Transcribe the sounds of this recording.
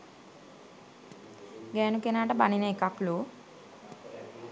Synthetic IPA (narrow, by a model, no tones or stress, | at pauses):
ɡɛːnukenaːʈəbanineekaklu